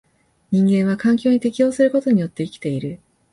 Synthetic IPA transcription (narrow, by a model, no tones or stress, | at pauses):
ɲ̟ĩŋɡẽ̞ɰ̃βakãŋkʲo̞ːɲ̟it̪e̞kʲijo̞ːsɨɾɯ̟ko̞t̪o̞ɲ̟ijo̞t̪ːe̞ikʲi̥t̪e̞iɾɯ̟